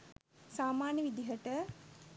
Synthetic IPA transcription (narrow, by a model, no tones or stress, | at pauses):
saːmaːnjəʋid̪iɦəʈə